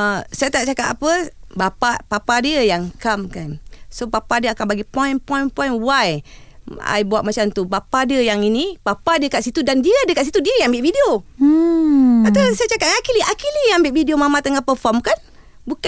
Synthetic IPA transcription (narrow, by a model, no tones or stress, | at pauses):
əsajat̪aʔ̚t͡ʃakat̪apəbapapapadiəjaŋkamkansopapadiəakanbaɡipɔjnpɔjnpɔjnwaj | a̰jbuaʔ̚mat͡ʃamt̪upapadiəjaŋinipapadəkat̪̚sit̪udandiadəkat̪sit̪udiəjambɪʔvideo | at̪awsajat͡ʃakatŋakiliakiliambɪʔvidiomamãt̪əŋahpərfɔrmkan | buka